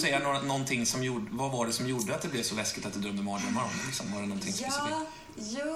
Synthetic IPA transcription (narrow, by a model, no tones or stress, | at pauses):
sɛjːənoːɾanɔnːt̪ʰɪŋːsɔmjuvavaɖɛsɔmjuɖəat̪̚d̪ɛblɪvsɔlɛskɪt̪at̪̚d̪ɛd̪ɾœmd̪əmɔːɳəmaɾmlɪksɔmvaɖɛnɔnt̪ʰɪŋsɔms